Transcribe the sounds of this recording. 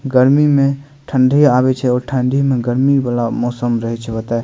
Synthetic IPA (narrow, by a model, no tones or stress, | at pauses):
ɡəɾmimẽ | ʈʰəɳɖʱijaβɛt͡ʃʰɛɔːɾʈʰəɳɖʱimẽɡəɾmiʋalamɔːsəmɾəɦɛt͡ʃʰɛbət̪a